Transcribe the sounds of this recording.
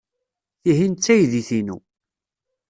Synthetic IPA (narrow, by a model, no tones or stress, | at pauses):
θiɦint͡sːæjðiθinṵ